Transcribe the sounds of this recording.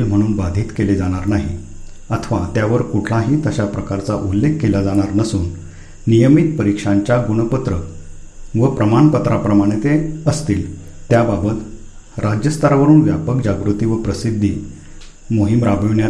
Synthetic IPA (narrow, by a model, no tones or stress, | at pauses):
lm̤əɽ̃uːnbad̪ʱiːt̪keled͡zaɽ̃aɾnaɦi | ət̪ʰʋat̪jaʋəɾkuʈʰlãɦiːt̪əɕapɾəkaɾt͡saʔulːekʰːelad͡zaɽ̃aɾnəsuːnː | ijəmit̪̚pəɾikʂaɲt͡ɕjaɡuɽ̃əpət̪ɾə | ʋəpɾəmaɳpət̪ɾapɾəmaɽ̃et̪eəst̪iːl | t̪jababət̪ | ɾad͡ʑjəst̪ʰaɾaʋəɾuːnʋjapək̚d͡ʑaɡɾut̪iːʋəpɾəsid̪ʱːi | moɦimɾabiʋɳja